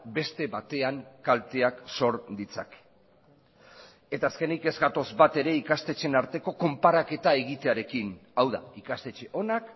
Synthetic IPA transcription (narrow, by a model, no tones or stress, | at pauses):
be̞st̪e̞βat̪e̞aŋkalt̪e̞akso̞ɾd̪it͡sa̰k | e̞t̪aːske̞nike̞zɡat̪o̞zbat̪e̞ɾe̞ikast̪e̞t͡ʃe̞naɾt̪e̞ko̞ko̞mpaɾake̞t̪ae̞ɣ̞it̪e̞aɾe̞kinawða̰ikast̪e̞t͡ʃe̞ʔo̞nak